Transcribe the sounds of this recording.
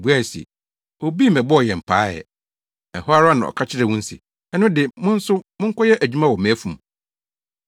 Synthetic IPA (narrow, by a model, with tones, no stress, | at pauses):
bu˦a˦˨sḭ˨ | o˨bi˦˨mɛ̃˨bɔ˦ɔ˨jɛ˨m̩˨pʰaː˦jɛ̰˨ | ɛ̰˨hɔ˦a˦ɾa˦nã̰˨ɔ̰˨kʰa˦t͡ɕʰɪ˦ɾɛ˨wũ˦n̩˦sɪ̰˨ | ɛ˦nʊ̃˦dɪ˨mʊ̃˦n̩˦sʊ˦mʊ̃˦ŋ̩˦kʰɔ˦jɛ˦ʔæ˨d͡ʑᶣu˦mã˦˨wɔ˨mẽ˨æ˦fũ˨m